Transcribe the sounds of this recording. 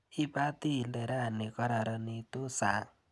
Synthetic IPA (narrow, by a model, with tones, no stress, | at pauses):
i˦pa˦t̪i˦˨le˨ɾa˦a˨nːi˨kʌ˦ɾa˨ɾani˧t̪o˦sa˨